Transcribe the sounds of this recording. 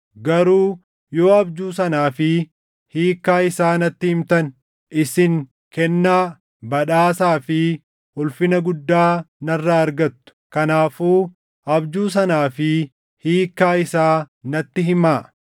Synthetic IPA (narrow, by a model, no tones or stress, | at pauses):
ɡɐɾuː | jo̞ːɐbd͡ʒuːs̬ɐnaːfɪ | hiːkːaːɪsaːnɐt̪ːɪhɪmt̪ɐn | ʔɪsɪŋ | kɛnːaː | bɐᶑaːsaːfɪ | hʊlfɪnɐɡʊd̪ːaːnɐrːaːɾɡɐt̪ːʊ̥kɐnaːfuː | ɐbd͡ʒuːs̬ɐnaːfɪ | hiːkːaːɪsaː | nɐt̪ːɪɦɪmaː